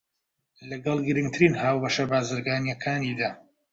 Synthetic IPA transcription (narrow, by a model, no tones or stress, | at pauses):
lɐɡɐlˠɡɨɾɨŋɡt̪ʰɨɾiːnhaːwbɐʃɐbaːzɨɾɡaːnjɛkʰaːnid̪aː